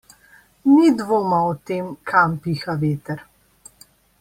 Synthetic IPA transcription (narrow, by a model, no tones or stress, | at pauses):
nid̪ʋoːmaɔt̪eːmkʰampixaʋeːt̪ɛɾ